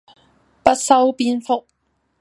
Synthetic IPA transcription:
pɐ˥t̚sɐ˥wpiː˧˥nfʊ˥k̚

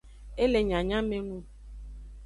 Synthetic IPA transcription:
e˦le˨ɲa˨ɲã˦me˦ŋu˦

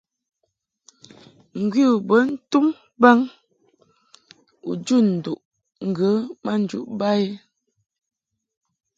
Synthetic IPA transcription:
ŋ̩˨ɡwi˦u˨bə˨˦n̩˦tu˦m | ba˦ŋ | ṵ˨d͡ʒu˦˨n̩˨du˨ʔ | ŋ̩˦˨ɡə˨˦ma˦˨n̩˨d͡ʒṵ˨ʔba˦e˦

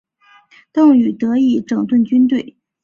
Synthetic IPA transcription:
t̪ɤ˥˩ŋy˨˩t̪ɤ˧˥i˥˩ʈ͡ʂɤ˨˩ŋt̪wə˥˩nt͡ɕy˥nt̪we˥˩ɪ

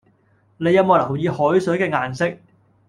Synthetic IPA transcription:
ne˨˧jɐ˧moː˨˩lɐ˨˩wjiː˨˧hɔː˨˥jsɵ˨˥kɛː˧ŋaː˨nsɪ˥k̚

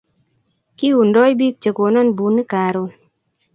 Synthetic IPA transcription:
ki˦u˨ndɔ˦jbi˦k̚t͡ʃe˨ko˨nɔ˦˨nbu˨ni˦kaː˨ɾo˧

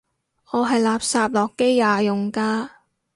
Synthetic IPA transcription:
ɔː˨˧ɦɐ˨jlaː˨p̚saː˧p̚lɔː˨˩kːe˥jːaː˨˧jʊ˨˩ŋkaː˧

